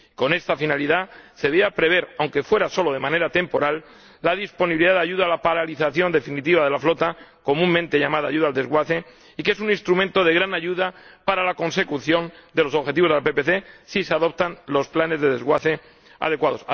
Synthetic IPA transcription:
iko̞nest̪afinaliðase̞βeapɾe̞β̞e̞ɾawŋke̞fwe̞ɾaso̞lo̞ð̞e̞mãne̞ɾat̪e̞mpo̞ɾalː | aðispo̞niβiliðaðaʝuðaːlapaɾaliθaθjo̞nd̪e̞finit̪iβaðe̞laflo̞t̪ako̞mũmːẽnt̪e̞ʝamaðaːʝuðald̪e̞zɣwaθe̞ | ikesunĩnst̪ɾumẽnt̪o̞ð̞e̞ɣɾanaʝuðapaɾalako̞nse̞kuθjo̞nd̪elo̞so̞βxe̞t̪iβo̞zðepe̞pe̞θe̞siseaðo̞p̚t̪anlo̞splane̞zðe̞ðe̞zɣwaθe | a̰ð̞e̞kwaðo̞s

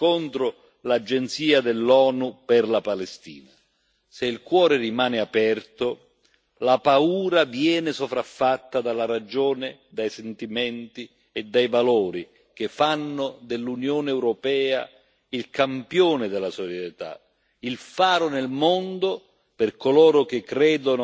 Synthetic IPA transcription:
kont̪ɾʊ | lad͡ʒɛnt̪siːad̪ɪlːɔːnupɪrlapalɛst̪iːna | seilkwɔːɾɪrimaːnɪapɛrt̪o | lapauːɾavjɛːnɪsovɾafːat̪ːad̪alaɾad͡ʒoːnɪd̪ajsɛnt̪imɛnt̪i | ɛd̪ːajvalɔːɾi | k̟efːanːʊd̪ɪlːunjoːnɪɛwɾopɛːa̰ | ilkampjoːnɪd̪ɪlasot͡ʃɛt̪a̰ | ilfaːɾʊnelmond̪o | pɪrkolɔːɾʊk̟ɪkːɾɛːd̪onʊ

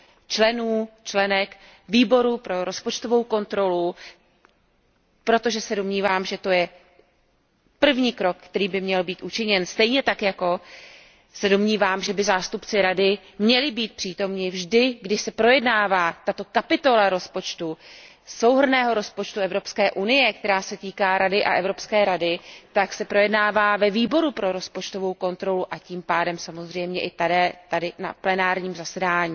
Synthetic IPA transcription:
t͡ʃlɛnuːt͡ʃlɛnɛk | viːbo̞ɾupɾo̞ɾo̞spo̞t͡ʃt̪o̞vo̞wko̞nt̪ɾo̞lu | pɾo̞t̪o̞ʒɛsɛdo̞mɲiːvaːmʒɛt̪o̞jɛ | pr̩vɲiːkɾo̞kkt̪ɛɾiːbɪmɲɛlbiːt̪ʔut͡ʃɪɲɛnst̪ɛjɲɛt̪akjako̞ | sɛdo̞mɲiːvaːmʒɛbɪzaːst̪upt͡sɪɾadɪ | mɲɛlɪbiːt̪̚pr̥iːt̪o̞mɲɪvʒdɪɡdɪʃsɛpɾo̞jɛdnaːvaːt̪at̪o̞kapɪt̪o̞laɾo̞spo̞t͡ʃt̪u | so̞wɦr̩nɛːɦo̞ɾo̞spo̞t͡ʃt̪uɛvɾo̞pskɛːʔunɪjɛkt̪ɛɾaːsɛt̪iːkaːɾadɪʔa̰ʔɛvɾo̞pskɛːɾadɪt̪aksɛpɾo̞jɛdnaːvaːvɛviːbo̞ɾupɾo̞ɾo̞spot͡ʃt̪o̞vo̞wko̞nt̪ɾo̞luʔaciːmpaːdɛmsamo̞zr̝ɛjmɲɛʔɪt̪adɛːt̪adɪna̰plɛnaːɾɲiːmzasɛdaːɲiː

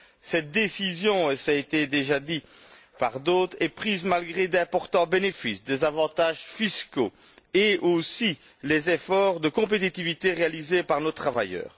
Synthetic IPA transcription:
sɛt̪̚d̪esizjɔ̃esaet̪ed̪eʒad̪ipaʁd̪ot̪χɛpχizmalɡʁed̪ɛ̃pɔʁt̪ɑ̃benefisd̪ezavɑ̃t̪aʒfisko̰eosi | lezefɔʁd̪əkɔ̃p̬et̪it̪ivit̪eʁealizepaʁnot̪χavajœ̰ːʁ

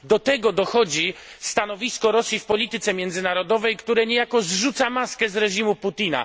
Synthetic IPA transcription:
d̪ɔt̪ɛɡɔd̪ɔxɔd͡ʑi | st̪anɔvʲiskɔɾɔsʲjifpɔlʲit̪ɘt̪sɛmʲjɛnd̪zɘnaɾɔd̪ɔvɛjkt̪uɾɛɲɛjakɔzʐut̪samaskɛzɾɛʐimuput̪ʲina̰

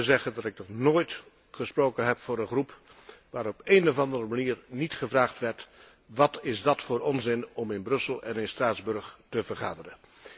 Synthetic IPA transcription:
əzɛχədɑtɪk̚nɔχnoːjt | χəsprowkənɦɛpfʊːɾənχrupʋaːɾɔpejnɔvɑndərəmaniːɹnitχəvraːχtʋɛɹt | ʋɑtɪzdɑtfʊːɾɔnzɪnɔmɪnbrɵsəlˠɛ̰nɪnstraːdzbɵɹχtəvəɹχaːdərə

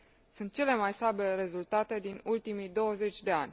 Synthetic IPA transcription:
sunt̪̚t͡ʃe̞le̞majsabe̞ɾe̞zult̪at̪e̞d̪inult̪imijd̪o̞wəze̞t͡ʃʲd̪e̞anʲ

